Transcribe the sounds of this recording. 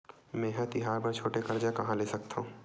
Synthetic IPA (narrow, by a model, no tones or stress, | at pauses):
mɛ̃ɦɛ̃t̪ɪɦaːɾpɐɾt͡ʃʰoːʈekɐɾd͡ʒakɐɦãleːsɐk̚t̪ʰaũ